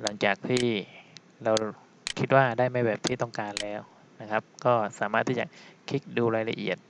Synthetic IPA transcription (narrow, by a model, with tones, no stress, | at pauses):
la˩˦ŋt͡ɕaː˨˩k̚t̪ʰiː˥˩ | ɾa˧w | kʰi˦˥t̪̚waː˥˩daː˥˩jma˥˩jbɛː˨˩p̚t̪ʰiː˥˩t̪ɔ˥˩ŋkaː˧nlɛː˦˥w | na˦˥kʰa˦˥p̚kɔː˥˩saː˩˦maː˥˩t̪ʰːiː˥˩t͡ɕa˨˩kʰi˦˥k̚duː˧ɾaː˧jla˧ʔḭ˨˩ət̪̚